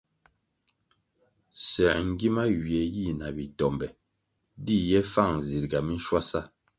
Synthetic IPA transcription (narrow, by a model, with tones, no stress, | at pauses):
sɛ˨ŋ̩˦ɡi˦ma˦wi˨ɛ˨ji˦˨na˨bi˨tɔ˨mbɛ˨ | di˦˨jɛ˦fa˦˨ŋ̩˨zi˨ɾɡa˨mi˦n˦ʃwa˦sa˦˨